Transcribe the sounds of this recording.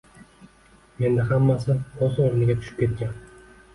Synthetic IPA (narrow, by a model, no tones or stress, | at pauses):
me̞nd̪aɦamːasɪozoɾnɪɡʲat̪ʰʊ̥ʃɪ̥p̚kʲʰe̞t̪̚kʲan